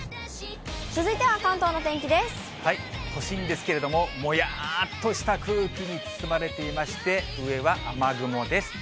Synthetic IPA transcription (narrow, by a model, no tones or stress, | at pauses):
t͡sɨzɨit̪e̞βakãnt̪o̞ːnot̪ẽŋkʲid̪e̞sɨ̥ | haiho̞ɕĩnd̪e̞sɨ̥ke̞ɾe̞d̪o̞mo̞mo̞jat̪ːo̞ɕi̥t̪akɯ̟ːkʲiɲ̟it͡sɨ̥sɨmaɾe̞t̪e̞imaɕi̥t̪e̞ɯ̟e̞βaʔamaɡɯ̟mo̞d̪e̞sɨ̥